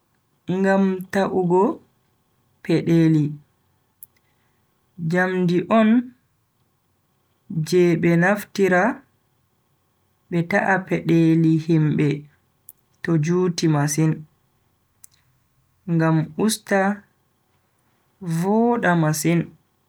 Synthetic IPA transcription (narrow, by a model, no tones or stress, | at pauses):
ŋɡamtaʔuɡɔ | pɛɗeli | d͡ʒamdiʔɔn | d͡ʒɛɓɛnaftiɾa | ɓɛtaʔapɛɗelihimɓɛ | tɔd͡ʒuːtimasin | ŋɡamusta | vɔɗamasin